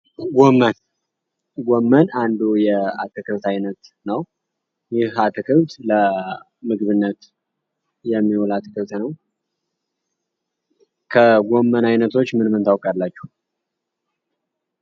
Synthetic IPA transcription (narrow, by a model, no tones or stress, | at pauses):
ɡomːən | ɡomːənand̪ujɛat̪ʰɨkʰɨβt̪ʰajnət̪nəw | jɪhat̪ʰɨkʰɨβt̪lə | mɨɡɨβɨnːət̪ | jɛmːiwolat̪ʰɨkʰɨβt̪nəw | kʰəɡʷomːənajnət̪ʰo̞t͡ʃːmɨnmɨnt̪ʰawkʼalːat͡ʃːu̥h